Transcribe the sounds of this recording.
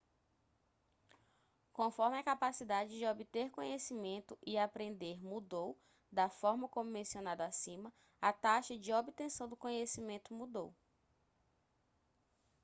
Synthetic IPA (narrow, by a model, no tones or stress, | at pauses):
kõfɔɾmɪɐkapasid̪ad͡ʒɪd͡ʒɪobit̪eɾkõɲesimẽnt̪ʊʔiapɾẽnd̪eɾmud̪ow | d̪ɐfɔɾmɐkõmʊmẽsionad̪asĩmɐ | at̪aʃɐd͡ʒɪobit̪ẽsɐ̃w̃d̪ʊkõɲesimẽnt̪ʊmud̪ow